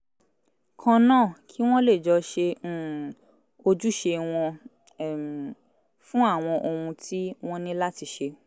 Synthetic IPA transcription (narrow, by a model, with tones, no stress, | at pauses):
kʰã˧nãː˦˨kʰi˦w̃ɔ̃˦le˦˨d͡ʒɔ˧ʃe˧˨ | o˧d͡ʒu˦ʃe˧w̃ɔ̃˧˨ | fũ˦a˦˨w̃ɔ̃˧ʔo˧ũ˧tʰi˦w̃ɔ̃˦nĩ˦la˦ti˧ʃe˧